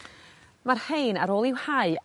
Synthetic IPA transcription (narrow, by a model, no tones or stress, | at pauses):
marhejnaɾoːlˠɪwhaɨ